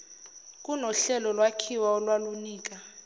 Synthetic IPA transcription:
k̬ʼunɔɬɛlɔlwakʰiwaɔlwaluniːk̬ʼa

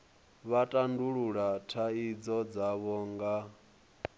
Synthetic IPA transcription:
βatʼanduɺuɺatʰaid͡zɔd͡zaβɔːŋɡa

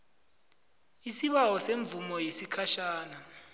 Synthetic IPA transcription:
isiɓawɔseɱb̪vumɔjesikʰaʃaːna

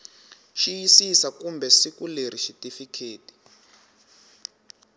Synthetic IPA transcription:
ʃijisisakumbɛsikuleɾ̤iʃitifikʰeːti̥

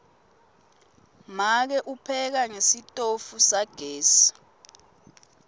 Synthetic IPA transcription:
mak̬ɛʔupʰɛk̬aŋesitʼofusaɡ̥ʱɛːsḁ

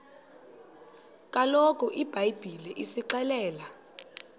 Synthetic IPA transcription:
kʼalɔkʼɔʔib̥ʱajb̥ʱiliʔisiǃɛlɛːla

